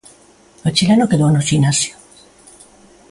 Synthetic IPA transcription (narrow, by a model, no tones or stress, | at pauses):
ot͡ʃilenokeðoenosʝinasjo